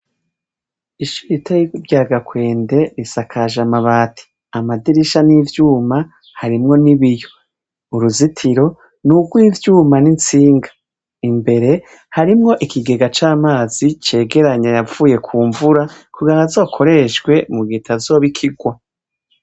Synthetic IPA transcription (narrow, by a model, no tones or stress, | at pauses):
iʃuɾitajikubjaːɡakwe̞ːnde̞ɾisakʰaʒamaβaːtʰi̥ | amadiɾiʃaniːvjuːma | haɾimŋo̞niβijo̞ | uɾuzitʰiɾo̞ | nuɡwiːvjuːmanint͡siːŋɡḁ | imbe̞ɾe̞ | haɾimŋo̞ʔikʰiɡe̞ɡat͡ʃaːmaːzit͡ʃe̞ːɡe̞ɾaɲajavuːje̞kʰuːɱvuɾakuɡanazo̞ːkʰo̞ɾe̞ʃɡwe̞muɡiːtʰazo̞ːβikʰiɡwa